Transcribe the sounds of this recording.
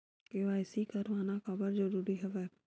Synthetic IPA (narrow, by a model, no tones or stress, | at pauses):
keʋaːɪsikɐɾʋaːnakəbəɾzəɾuːɾiɦɛʋɛː